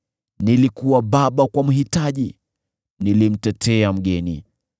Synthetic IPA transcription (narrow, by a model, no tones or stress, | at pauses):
nilikuwaɓaɓakwam̩ɦitaʄi | nilim̩tɛtʰɛam̩ɡɛni